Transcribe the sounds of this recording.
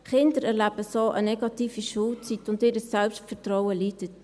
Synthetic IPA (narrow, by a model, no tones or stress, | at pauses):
χɪndəɾɛɾlæb̥əsoʔə̰nɛɡɑtiːfiʃult͡sitʊntɪːɾəsɛlpʃtfəɾtɾɔwəlitət